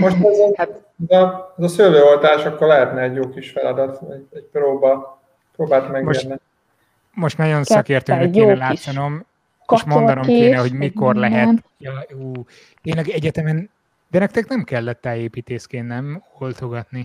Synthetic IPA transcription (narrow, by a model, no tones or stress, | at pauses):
moʃt̪ɛhat̪ | ɛzɒɛzɒsøløːolt̪aːʃɒkːorlɛɦɛt̪nɛːɟjoːkiʃfɛlɒd̪ɒt̪ɛɛc̚pɾoːbɒ | pɾoːbaːlt̪mɛɡmoʃnni | mo̞ʃt̪nɒjo̞nsɒkeːrt̪øːnɛk̪ːɛlaːt̪sɒno̞m | eʃʃmo̞nd̪ɒno̞mkːeːnɛho̞ɟmiko̞rlɛɦɛt̪oɒuː | t̪eːnlɛɡɛɟɛt̪ɛmɛn | d̪ɛnɛk̚t̪ɛknɛmkɛlːɛt̪ːɛleːpiːt̪eːskeːnːɛmolt̪o̞ɡɒt̪ni